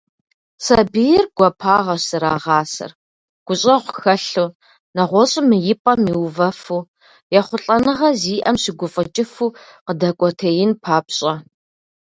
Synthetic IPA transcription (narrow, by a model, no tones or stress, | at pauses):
sɐbijrɡ̥ʷɔpʰaːʁɐɕsɨɾaːʁɑːsɐ̰r | ɡ̥ʷʊɕʼɐʁʷʊ̥xɐɬu | nɐʁʷɔɕʼɪmɨjɪpʼɐmiwvɐfuː | jɛχʷʊɬʼɐnɨʁɐziːʔɐmɕɪɡʷʊfʼɐt͡ʃʼɪfuːqədɐkʷʼɔtʰejɪnpʰaːpɕʼɐ